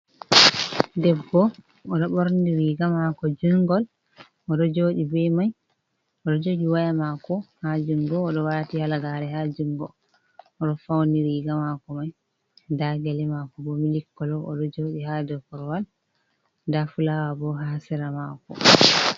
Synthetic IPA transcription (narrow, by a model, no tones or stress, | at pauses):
dɛbːɔ | ɔɗɔɓɔɾndiɾiɡamakɔd͡ʒuŋɡɔl | ɔɗɔd͡ʒoɗibɛjmaj | ɔɗɔd͡ʒoɗiwajamakɔhad͡ʒuŋɡɔːɗɔwatihalaɡaɾɛɦad͡ʒuŋɡɔ̰ | ɔɗɔfawniɾiɡamakɔmaj | daɡɛlɛmakɔbɔmilikːɔlɔʔɔ̰ɗɔd͡ʒoɗihadɔkɔɾwal | dafulawabɔɦasɛɾamakɔ̰